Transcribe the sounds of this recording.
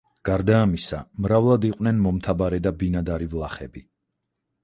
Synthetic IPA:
ɡ̥aɾd̪aːmisamɾavlˠad̪iqʼwnɛnmɔmt̪ʰabaɾɛd̪abinad̪aɾivlˠaχɛbi

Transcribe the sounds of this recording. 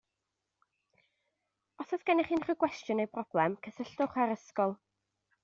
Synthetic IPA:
ɔsɔsɡ̥ɛnɪχiːnχəɡwɛstjʊnejpʰrɔb̥lˠɛmkʰəsəɬtʊχaɾəskɔlˠ

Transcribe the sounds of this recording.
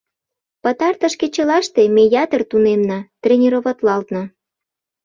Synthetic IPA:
pɑt̪ɑrt̪ə̆ʃket͡ɕə̆lɑʃt̪emejɑt̪ərt̪unemnɑt̪rʲenʲiɾoβɑt̪lɑlt̪nɤ̆

